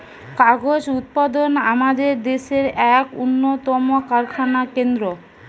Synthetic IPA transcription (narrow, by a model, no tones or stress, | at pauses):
kaɡod͡ʑut̪̚pad̪ona̰mad̪eɾd̪eʃeɾɛkṵnːot̪ɔmokaɾkʰanakend̪ɾo